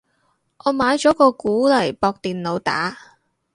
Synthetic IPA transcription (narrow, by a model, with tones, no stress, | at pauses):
ʔɔː˨˧maː˨˧jt͡ʃɔː˨˥kɔː˧kuː˨˥lɐ˨˩jpɔː˧k̚t̪iː˨nlo˨˧wt̪a̰ː˨˥